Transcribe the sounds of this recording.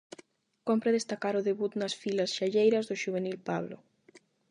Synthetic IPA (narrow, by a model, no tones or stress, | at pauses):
kompɾeð̞est̪akaɾʊðeβut̪nɐsfilɐsʃaʎejɾɐzðoʃuβ̞enilpaβlo̰